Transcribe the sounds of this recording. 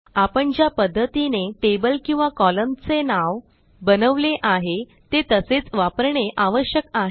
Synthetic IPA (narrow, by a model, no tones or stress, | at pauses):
apəɳd͡ʑjapəd̪ʱːət̪ineʈebəlkĩw̃ʋakɔləmt͡senaʋ | bənəʋleʔaɦe | t̪et̪əset͡sʋapəɾɳeʔaʋəɕjəkaɦe